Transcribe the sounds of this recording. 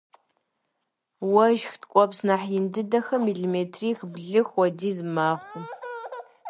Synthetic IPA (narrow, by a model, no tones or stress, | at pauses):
wɐʒxtkʷʼɔpsnaħjɪndɨdɐxɐmiɮimeːtʰriːxbɮɨxwɔdiːzɨmaːχʷʊ